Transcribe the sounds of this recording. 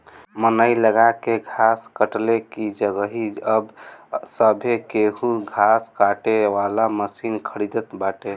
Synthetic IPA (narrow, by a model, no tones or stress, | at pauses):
mənəiləɡakeɡʱaskəʈlekid͡ʒəɡəɦiəbsəbʱekeɦuɡʱaskaʈewalaməsinkʰəɾid̪ət̪baʈe